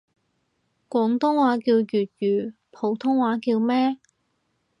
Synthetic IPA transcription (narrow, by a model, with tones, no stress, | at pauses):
kʷɔː˨˥ŋt̪ʊ˥ŋwaː˨˥kiː˧wjyː˨˩t̪̚jyː˨˩ | pʰo˨˧˥wt̪ʰʊ˥ŋwaː˨˥kiː˧wmɛː˥